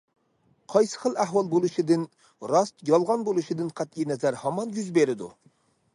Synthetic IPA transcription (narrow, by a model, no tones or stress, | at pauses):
qʰɑjsə̥χəlˠæhwɑlˠbolˠuʃid̪ɪn | ɾɑst̪jɑlˠʁɑnbolˠuʃid̪ɪnqʰæt̪inɛzæɾhɑmɑnɡyzbeɾɪd̪ṵ